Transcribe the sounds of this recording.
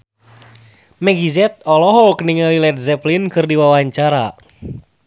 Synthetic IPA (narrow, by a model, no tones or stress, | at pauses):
mɛɡizɛt̪̚ɔlɔɦɔkniŋalilɛt̪̚zɛplinkɨrdiwawaɲt͡ʃaɾa